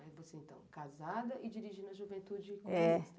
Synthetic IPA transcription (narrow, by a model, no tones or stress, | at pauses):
avoseẽnt̪ɐ̰̃w̃kazad̪ɐʔɪd͡ʒiɾiʒinɐʒuvẽt̪ud͡ʒɪkɛs